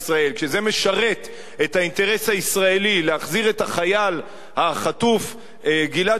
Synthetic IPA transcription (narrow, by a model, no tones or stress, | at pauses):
sʁae̞lkʃeze̞me̞ʃaʁet | e̞thainte̞ʁe̞shaisʁae̞lileaχziʁe̞taχajal | haχat̪uf | ɡila